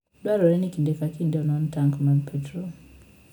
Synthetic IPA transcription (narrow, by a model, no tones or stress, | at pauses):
dwaɾɔɾɛnikindɛkakindiɔnɔntaŋkmanpʰɛtɾɔ